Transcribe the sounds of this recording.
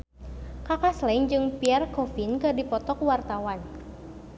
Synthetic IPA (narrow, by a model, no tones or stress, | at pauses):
kakaslɛŋd͡ʒɨŋpiɛrkɔfinkɨdipɔt̪ɔk̚wart̪awan